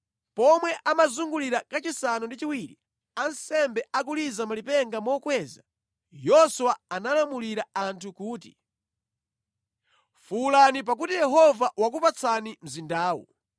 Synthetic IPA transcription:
pɔmwɛʔamazuŋɡuliɾakat͡ʃisanɔndit͡ʃiwiːɾḭ | ansɛmbɛʔak̬ulizamalipɛŋɡamɔːkwɛːza | jɔswaanalamuliɾaantʰukuːti̥̰ | fulanip̬ak̬utijɛɦɔvawak̬upat͡sʰanim̩zindaːwṵ

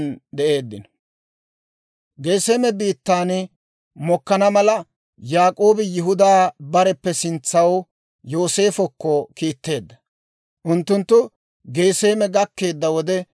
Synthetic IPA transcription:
nd̪ɛʔe̞ːd̪ːɪ̰n | ɡeːseːmɛbiːt̪ːaːn | mɔkːɐnɐmɐlɐ | jaːkʼo̞ːbɪjɪɦʊd̪aːbɐɾɛpːɛsɪnt͡sːɐw | jo̞ːse̞ːfɔkːɔkiːt̪ːe̞ːd̪ːɐ̥ | ʔʊnt̪ːʊnt̪ːʊ | ɡe̞ːse̞ːmɛɡɐkːe̞ːd̪ːɐwɔd̪ɛ

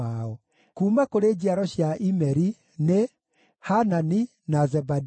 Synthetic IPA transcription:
aɔ | kuːmakoɾeːd͡ʑiaɾɔɕjaʔimɛɾi | ne | hanani | nazɛbad

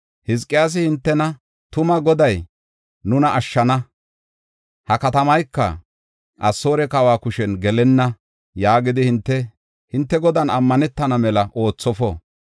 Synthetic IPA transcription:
hɪs̬kʼːɪjaːs̬ɪhɪnt̪ːɛnɐ | t̪ʊmɐɡɔd̪ɐj | nʊnɐʔːʃːɐnɐ | hɐkɐt̪ɐmɐjkːɐ̰ | ʔɐsːo̞ːɾɛkɐwaːkʊʃɛnɡɛlɛnːɐ | jaːɡɪd̪ɪhɪnt̪ːɛ | hɪnt̪ːɛɡɔd̪ɐnɐmːɐnɛt̪ːɐnɐmɛlɐʔo̞ːt͡sːɔfɔ

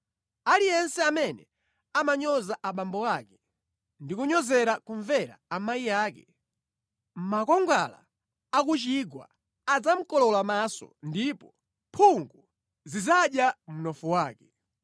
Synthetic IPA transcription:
alijɛnsɛamɛnɛ̰ | amaɲɔzaʔaɓambɔwakɛ | ndikuɲɔzɛɾakuɱvɛɾa̰amaijaːkɛ | m̩makɔŋɡa̰la̰ | akut͡ʃiɡwa̰ | ad͡zam̩kɔlɔlamasɔ̰ndipɔ | pʰuŋɡu | zizaɗjam̩nɔfuwaːkɛ

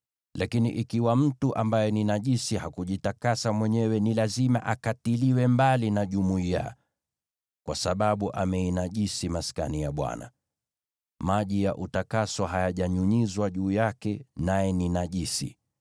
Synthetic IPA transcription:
lakinḭʔikiwam̩tuʔambajɛninaʄisihakuʄitakasamwɛɲɛwɛnilazima̰ʔakatiliwɛmbalinaʄumuija̰ | kwasaɓaɓuʔamɛinaʄisimaska̰nijaɓwa̰na̰ | maʄijaʔutakasɔɦajaʄaɲuɲizwaʄuːjakɛnajɛninaʄisḭ

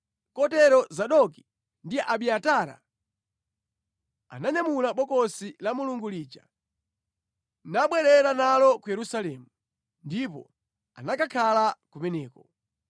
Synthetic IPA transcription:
kɔtɛɾɔzaɗɔki̥ | ndiʔaɓiataɾa̰ | a̰naɲamulaɓɔkɔsilamuluŋɡuliːt͡ʃa | naɓwɛɾɛɾanalɔkujɛɾusalɛːmu | ndipɔ̰ | a̰nakakʰalakumɛnɛːkɔ

